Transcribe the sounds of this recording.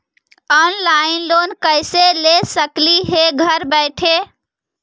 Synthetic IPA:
ɔnlaɪnlonkəɪselesəkliɦeɡʱəɾbəɪʈʰe

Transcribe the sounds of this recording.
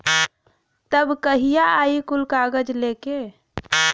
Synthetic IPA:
t̪əbkəɦijaʔaikulkaɡəd͡ʒleke

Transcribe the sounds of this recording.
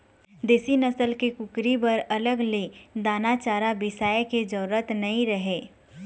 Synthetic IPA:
d̪eːsinɐsəlkekʊkɾibɐɾɐləɡled̪aːnat͡ʃaːɾabɪsaːjked͡ʒɔːɾət̪nɐɦĩɾɐɦeː

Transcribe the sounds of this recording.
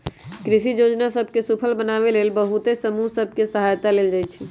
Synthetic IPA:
kɾisid͡ʒod͡ʒnasəbʱkesupʰəlbənaβelelbəɦut̪esəmusəbʱkesəɦajt̪aleld͡ʒajt͡ʃʰi

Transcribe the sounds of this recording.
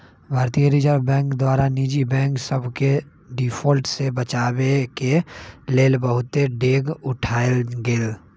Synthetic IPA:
bʱaːɾt̪ijəɾiːd͡ʒəɾbɛ̃ːŋkd̪waːɾaniːd͡ʒibɛ̃ːŋksəbʱke | ɖifʰoːlʈsebət͡ʃaːwekeleːlbəɦʊt̪eɖeːɡʊʈʰaːeɡeːl

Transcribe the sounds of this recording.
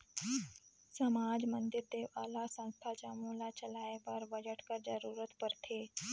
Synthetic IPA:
səmaːd͡ʒmənd̪iɾd̪eːʋalasə̃w̃st̪ʰad͡ʒamulat͡ʃəlaːeʋəɾʋəjəʈkəɾd͡ʒəɾuːɾət̪pəɾt̪ʰeː

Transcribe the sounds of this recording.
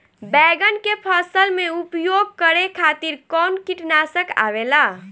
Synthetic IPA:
bɛɡənkepʰəsəlmeupjoɡ̚kəɾekʰat̪iɾkɔnkiʈnasəka̰bela

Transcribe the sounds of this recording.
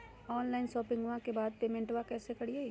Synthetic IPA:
ɔːnlaːɪnsɔːpɪ̃ŋɡʋãkebaːd̪̚peːmɛ̃ɳʈʋakɛːsekɐɽie

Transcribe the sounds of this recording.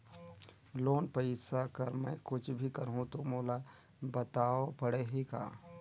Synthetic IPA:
loːnpəɪsakɐɾmɛ̃kʊt͡ʃʰbʱikɐɾɦũt̪omoːla | bət̪aːopɐɽeːɦika̰ː

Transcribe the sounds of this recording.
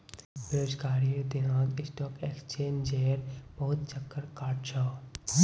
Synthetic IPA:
beɾoːd͡ʒkaːɾijod̪ɪnaːd͡ʒɪsʈɔːkeːkst͡ʃeːnd͡ʒeːɾbɔɦʊt̪̚t͡ʃɐkːəɾkaːʈt͡ʃʰaː

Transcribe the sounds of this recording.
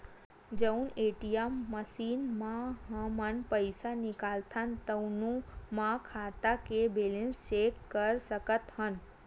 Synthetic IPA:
d͡ʒəuneʈijamːəsiːnmãɦãmənpəjsanɪkalt̪ʰant̪əunũmãkʰat̪akebelẽnst͡ʃekːəɾsəkət̪ɦən

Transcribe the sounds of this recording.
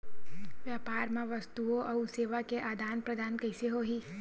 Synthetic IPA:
ʋjaːpaːɾmẽʋɐst̪uõʔɐʊseːʋakeʔaːd̪ʱaːnpɾɐd̪ʱaːnkɐɪseɦoːɦiː

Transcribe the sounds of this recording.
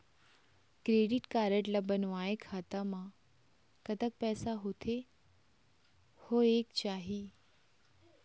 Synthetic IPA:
kɾeːɖɪʈkaːɾəʈlabənʋaːekʰaːt̪amã | kət̪ək̚pɛːsaɦʊt̪ʰe | hoeːkt͡ɕaːɦiː

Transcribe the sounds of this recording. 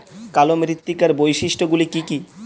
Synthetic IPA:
kalomɾit̪ːikaɾbojʃiʃʈoɡulikiki

